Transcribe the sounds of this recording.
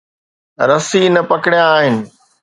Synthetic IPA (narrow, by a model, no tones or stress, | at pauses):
ɾɐsiːnɐpɐkɪɽjaːɦɪnɪ̆